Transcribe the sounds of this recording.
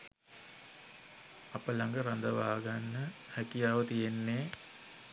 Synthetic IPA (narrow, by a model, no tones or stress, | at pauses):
apəlaŋɡəɾand̪əʋaːɡanːəhækijaːʋət̪ijenːeː